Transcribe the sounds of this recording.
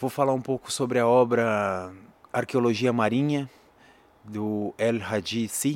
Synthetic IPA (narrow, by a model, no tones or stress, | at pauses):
vofalaũpowkʊ̥sobɾɪɐɔbɾɐ | aɾkeoloʒiɐmaɾĩɲɐ | d̪ʊɛlhad͡ʒisi